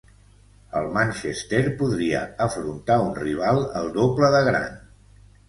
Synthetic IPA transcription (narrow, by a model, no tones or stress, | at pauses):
əlˠmanʲʃest̪eɾpuðɾiə̰əfɾunt̪aunriβ̞alˠəlˠd̪opləðəɣɾa̰n